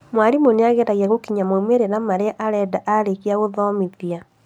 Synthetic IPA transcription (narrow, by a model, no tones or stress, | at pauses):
mwaɾimoneaɣɛtaɣjaɣokiɲamoumeɾeɾamaɾeaʔaɾɛdaʔaɾekiaɣoðɔmiðia